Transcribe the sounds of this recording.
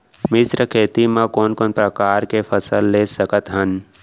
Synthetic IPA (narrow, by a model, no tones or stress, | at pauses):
mɪsɾəkʰeːt̪imãkɔːnkɔːnpɾəkaːɾkepʰəsəlːesəkət̪ɦən